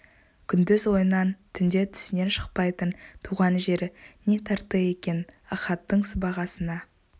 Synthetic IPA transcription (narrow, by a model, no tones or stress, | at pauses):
kʲʰʏnd̪ʏzwo̞jənɑnt̪ʰʏnd̪e̞t̪ʰʏ̥sɪne̞nʃəq̚pɑjt̪ənt̪ʰuʁɑnʒe̞ɾɪne̞t̪ʰɑɾt̪əe̞kʲe̞nɑχɑt̪ːəɴsəbɑʁɑsənɑ